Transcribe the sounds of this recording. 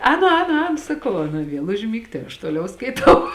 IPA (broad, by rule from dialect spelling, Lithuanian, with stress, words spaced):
ˈɛːnʊ ˈɛːnʊ ˈɛːnʊ sɐˈkɐʊ ˈɑːˌnɐ ˈʋʲiɛlˠ ʊʒʲˈmʲiːkt tɐɪ ɐʃ ˈtoːlʲɛʊ skɐɪˈtɐʊ